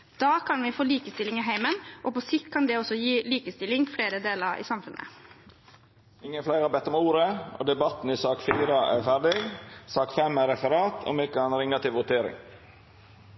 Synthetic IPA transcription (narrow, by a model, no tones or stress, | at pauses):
d̪̥ɑːkʰɑnʋɪfoːliːkəst̪ɪlɪŋɪɦæɪmənʔopɔsɪkt̪̚kʰɑnd̪ɛɔsɔjiːliːkəst̪ɪlɪŋfɽeːɾəd̪eːləɾḭːsɑmfʉnʔə̰ | ɪŋːənflæɪɾɑːbɛt̪ːɔmuːɾəo̰ːd̪ɛbɑt̪n̩isɑːkfiːɾəʔæ̰ːɾfæɖɪsɑːkfɛmæːɾɛfəɾɑːt̪ʰo̰mɛkɑnɾɪŋɑt̪ɪʋʋʊt̪ʰeːɾɪ̰ŋ